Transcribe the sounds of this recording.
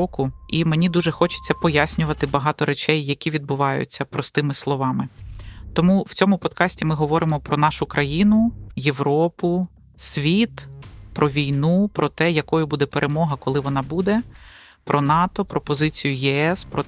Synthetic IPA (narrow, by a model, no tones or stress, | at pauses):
ɔkʊimenʲid̪uʒɛxɔt͡ʃɪ̥t͡sʲːɐpɔjasʲnʲʊʋɐt̪ɪbɐɦɑt̪ɔɾet͡ʃɛjːɐkʲiʋʲid̪̚bʊʋɑjʊ̰t͡sʲːɐpɾɔst̪ɪmɪslˠɔʋɑmɪt̪ɔmuw̥t͡sʲɔmʊpɔd̪kɑsʲtʲimɪɦɔʋɔɾɪmɔpɾɔnɑʃʊkɾʔɐjinʊjeʋɾɔpʊ | sʲʋʲit̪pɾʔɔʋʲijnupɾʔɔt̪ɛjɐkɔjʊbud̪ɛpeɾʔemɔɦɐkɔlˠɪʋɔnɑbud̪ɛ | pɾʔɔnɑt̪ɔpɾɔpɔzɪt͡sʲijʊjɛɛspɾɔ